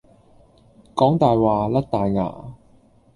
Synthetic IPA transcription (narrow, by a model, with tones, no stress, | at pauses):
kɔː˨˥ŋt̪aː˨jwaː˨lɐ˥k̚t̪aː˨jŋa̰ː˨˩